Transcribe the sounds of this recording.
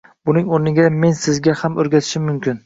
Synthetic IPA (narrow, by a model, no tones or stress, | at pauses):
bʊnɪŋoɾnɪɡʲame̞nsɪzɡʲahamɵɾɡʲat̪ʰɪ̥ʃɪmːʊmkʲɪn